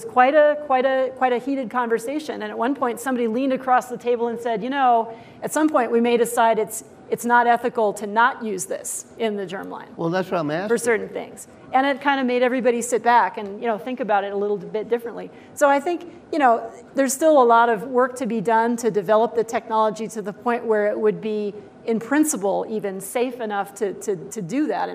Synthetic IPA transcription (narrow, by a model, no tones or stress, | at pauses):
ʌz̥kʰw̥aɪɾɨkʰw̥aɪɾɨkʰw̥aɪɾɨhiɾɨd̚kʰɑ̃ɱvə˞seɪʃɨ̰̃nɨ̃nɨt̚wʌ̃npʰɔ̃ɪ̃ntsʌ̃mbɑɾilĩndɨkʰɹ̥ɔsðɨtʰeɪbl̩ˠə̃nsɛdjɨñoʊ | ɨtsʌ̃mpʰɔ̃ɪ̃nʔwimeɪɾɨsaɪɾɨts | ɨtsnəɾɛθɨkl̩ˠtʰɨnəʔjʉzðɪ̰sɪ̃nðɨd͡ʒɜ̰̃˞mlã̰ɪ̃nwɛlˠðætsamfə˞sɜ˞ʔn̩θɪ̰̃ŋz̥ | ɨ̃nɨt̚kʰãɪ̃ndɨmeɪɾɛvɹibɑɾisɪt̚b̥ækɨ̃njɨnoʊθɪ̃ŋkɨbaʊɾɨɾəlɪɾl̩ˠbɪt̚d̥ɪfɹɨ̃nʔli | soʊaɪθɪ̃ŋkjɨɾ̃oʊ | ðə˞z̥stɪlˠəlɔɾʌvwɜ˞k̚tʰɨbidʌ̃ntʰɨdɨvɛlˠəp̚ðɨtʰɛk̚nɑlˠəd͡ʒiɾɨðəpʰɔ̃ɪ̃nʔwə˞ɪʔ̚wɨd̚bi | ɨ̃mpʰɹ̥ɪ̃nsəpl̩ˠivɨ̃nseɪfɨnʌftʰɨɾɨɾɨdɨðæ̰ɾɨ̃